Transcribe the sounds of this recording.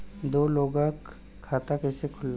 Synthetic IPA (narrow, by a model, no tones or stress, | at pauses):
d̪oːloːɡãkʰː | aːt̪akɛsekʰʊlː